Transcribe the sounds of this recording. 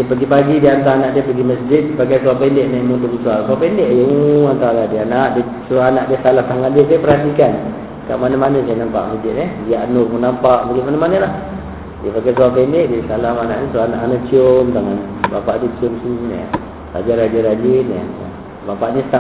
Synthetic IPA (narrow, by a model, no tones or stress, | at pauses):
diəpəɡipaɡidiant̪aanaʔdiəpəɡiməsd͡ʒɪt̪̚baɡajsuapɛndɛʔnɛmunt̪ukəsuasapɛndeʔjəuant̪aladianaʔdə | suaanaʔdiəsalamt̪aŋaʔdiəsajəpərhat̪ikan | ka̰ʔmanəmanəsajənampa̰ʔməsd͡ʒɪt̪̚nɛbiaʔnʊʔmunampaʔbaɡimanəmanəlah | diəbaɡajs̬uapɛndeʔdisalamana̰ʔɲəsuana̰ʔanat͡ʃiomt̪aŋanbapaʔdiət͡ʃiomsun̰ | ra̰d͡ʒaɾad͡ʒəɾad͡ʒinə̰ | bapaʔnist̪a